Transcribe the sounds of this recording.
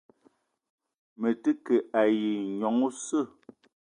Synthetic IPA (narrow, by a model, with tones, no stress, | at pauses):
mə˨tə˦ke˨a˨ji˨ɲɔ˨˦ŋu˦sə˦˨